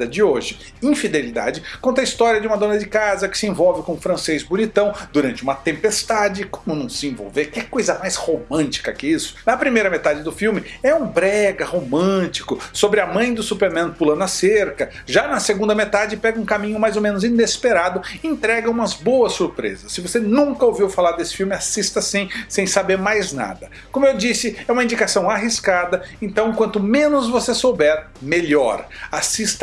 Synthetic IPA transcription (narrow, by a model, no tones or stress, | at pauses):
ɐd͡ʒɪoʒɪ | ĩfid̪elid̪a̰d͡ʒɪkõnt̪ɐist̪ɔɾiɐd͡ʒɪũmɐd̪õnɐd͡ʒɪkazɐkɪ̥sɪẽvɔwvɪkõʊ̃fɾɐ̃sejzbonit̪ɐ̃w̃d̪uɾɐ̃nt͡ʃɪũmɐt̪ẽmpest̪ad͡ʒɪko̥mʊnɐ̃w̃sɪẽvo̰wveɾkɪkojzɐmajshomɐ̃nt͡ʃi̥kɐkɪisʊ̥nɐpɾimejɾɐmet̪ad͡ʒɪd̪ʊfiwmɪɛũbɾɛɡɐhomɐ̃t͡ʃi̥kʊsobɾɪɐmɐ̃j̃d̪ʊsupeɾmẽnpulɐ̃nʊɐseɾkɐʒanɐseɡũnd̪ɐmet̪ad͡ʒɪpɛɡɐũkamĩɲʊmajzomẽnʊzĩnespeɾad̪ʊɪẽnt̪ɾɛɡɐũmɐzbowɐsːuɾpɾḛzɐsːɪvosenũkɐowviwfalaɾd̪esɪ̥fiwmɪasist̪ɐsĩj̃sẽj̃sabeɾmajzna̰d̪ɐ | kõmʊewd͡ʒisɪɛũmɐĩnd͡ʒikasɐ̃w̃aɦiskad̪ɐẽnt̪ɐ̃w̃kwɐ̃nt̪ʊmẽnʊzvosesowbɛɾ | meʎɔ̰ɾasist̪ɐ